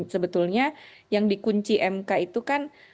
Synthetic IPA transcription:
səbət̪ulɲa | jaŋdikuɲt͡ʃiʔɛmkait̪ukan

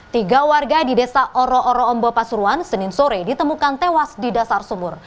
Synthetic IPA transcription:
t̪iɡawarɡadidesaʔɔɾɔʔɔɾɔɔmbɔpasuɾuansənɪnsoɾedit̪əmukant̪ewasdidasarsumʊr

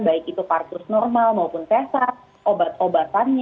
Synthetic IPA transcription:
baɪkit̪ukart̪ʊsnɔrmalmaupʊnt̪esat̪ | ʔobat̪̚obat̪anɲ

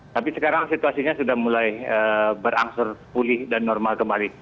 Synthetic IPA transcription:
t̪apisəkaɾaŋsit̪uasiɲasudahmulajəbəɾaŋsʊrpulɪhdanːɔrmalkəmbali

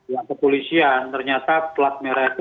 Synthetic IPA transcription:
jaŋkəpolisiant̪ərɲat̪aplat̪̚meɾat̪

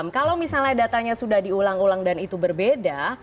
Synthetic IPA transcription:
mkalawmisalɲadat̪aɲasudahdiulaŋulaŋdanit̪ubərbeda

